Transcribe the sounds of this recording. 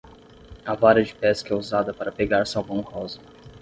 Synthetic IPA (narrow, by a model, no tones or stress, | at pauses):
avaɾɐd͡ʒɪpɛskɛuzad̪ɐpaɾɐpeɡaɾsawbɐ̃w̃hɔwzɐ